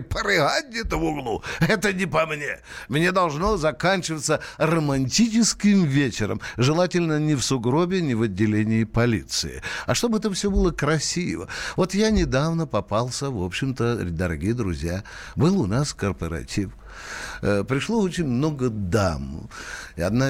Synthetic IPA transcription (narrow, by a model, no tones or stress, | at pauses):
pəɾɨɦat̚ʲɛt̪ʊvʊɡlˠuɛt̪ənʲɪpɐmnʲemnʲe̞d̪ɐlˠʐno̞zɐkanʲt͡ɕɪvət̪sːərəmɐnʲtʲit͡ʃɪskʲɪmvʲet͡ɕɪɾə̰mʐɨlˠatʲɪlʲnənʲɪfsʊɡɾo̞bʲɪnʲɪvɐdʲːɪlʲenʲɪːpɐlʲit̪sɨ̰ɪ̰ɐʂt̪o̞bɨɛt̪əfsʲo̞bɨlˠəkɾɐsʲivə̰vo̞t̪janʲɪd̪avnəpɐpalˠsʲəvo̞pɕːɪmt̪əd̪əɾɐ̰ɡʲijəd̪ɾʊ̰zʲja | bɨlˠʊnaskərpəɾɐ̰tʲif | pɾʲɪʂlˠoot͡ɕɪnʲmno̞ɡəd̪am̰ | ɐd̪na